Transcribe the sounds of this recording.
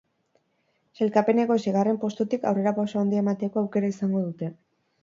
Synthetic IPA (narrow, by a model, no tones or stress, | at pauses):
se̞lkape̞ne̞ɣo̞siɣ̞are̞mpo̞st̪ut̪ikawre̞ɾapawsao̞nd̪iemat̪e̞ko̞awke̞ɾaisaŋɡo̞ð̞ut̪e̞